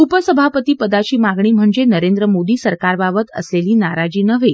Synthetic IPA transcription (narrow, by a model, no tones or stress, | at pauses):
upəsəbʱapət̪iːpəd̪at͡ɕiːmaɡɳiːm̤əɳd͡zenəɾend̪ɾəmod̪iːsəɾkaɾbabət̪ə̰sleliːnaɾad͡ʑiːnəʋe